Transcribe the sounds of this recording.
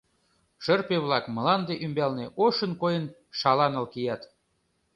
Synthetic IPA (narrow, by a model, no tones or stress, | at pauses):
ʃərpeβlɑkmə̆lɑnd̪eʔymbɑlneʔoʃənkojən | ʃɑlɑnə̆lkijɑt̪